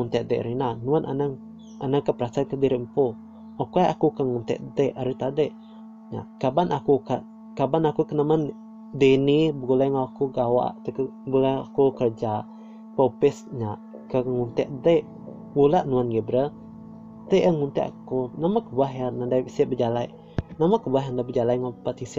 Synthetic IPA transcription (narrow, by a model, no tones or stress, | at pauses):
ŋunt̪ɛʔdəʔɾinaʔnuanʔa̰na | ʔanakəpəɾasakədiɾɪʔmpu | okuajakukəŋunt̪ɛ̰ʔdəʔaɾit̪adəʔ | ɲa̰ʔkabanakuka | kabanakukənamən | dinibəɡulajŋakuɡawa̰ʔt̪əkbulaa̰kukərd͡ʒa | popɪsɲaʔ | kəŋunt̪ɛʔdəʔ | wulaʔnuanɡebɾə | t̪əʔəŋunt̪ɛ̰ʔa̰kunamakəbuaɦjanandajisiʔbəd͡ʒalaj | namakəbuaɦandabəd͡ʒalajŋopat̪isi